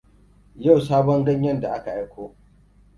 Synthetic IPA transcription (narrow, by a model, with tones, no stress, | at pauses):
ja˦˨wsaː˦bɔ˦ŋɡɐ˦ɲjɐ˦nda˨ʔa˦ka˨ʔa˦jkʷoː˦